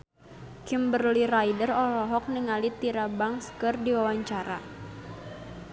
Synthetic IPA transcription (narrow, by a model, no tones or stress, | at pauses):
kimbərlirajdərɔlɔɦɔk̚niŋalit̪iɾabaŋskərdiwawaɲt͡ʃaɾa